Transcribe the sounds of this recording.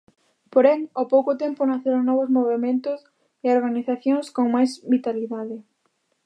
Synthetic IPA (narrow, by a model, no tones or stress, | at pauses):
poɾeŋopowkʊt̪empʊnaθeɾoŋnɔβ̞ʊzmoβ̞emẽnt̪ʊs | ɪoɾɣaniθaθjõŋskoŋmajzβit̪aliðaðɪ